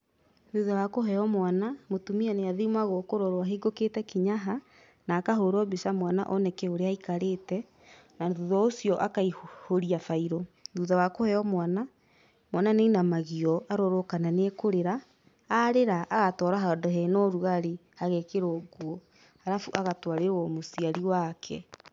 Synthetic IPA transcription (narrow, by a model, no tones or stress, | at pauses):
ðuðawakoɦɛɔmwanamotumianeaðimaɣokoɾɔɾoaɦeɡoketɛkiɲaɦa | naːkaɦoɾɔbisamwana̰ʔɔnɛkɛoɾeaikaɾetɛ | naðuðɔosiɔʔakaihoɾiafaiɾɔðuðawakohɛɔmwana | mwananeinamaɣiɔaɾoɾokananekoɾeɾaː | ɾeɾaʔːɣatɔːɾaɦadɔɦɛnɔɾuɣaɾehaɣɛkeɾoɡwɔ | aɾafuʔaɣatwaɾewɔmosiaɾiwakʰɛ̰